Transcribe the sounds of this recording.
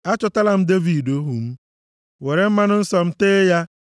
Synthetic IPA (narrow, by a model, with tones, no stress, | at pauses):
a˦t͡ʃʊ˦ta˦la˨m̩˦de˦vi˨do˦ɦu˨m̩˦ | we˨ɾe˨m̩˦ma˦nʊ˦n̩˦sɔ˨m̩˦teː˦ja˦